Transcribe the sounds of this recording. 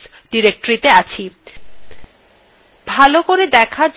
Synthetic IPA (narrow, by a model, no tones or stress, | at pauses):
s | ɖiɾek̚ʈoɾit̪eat͡ɕʰi | bʱalokoɾed̪ɛkʰaɾd͡ʑ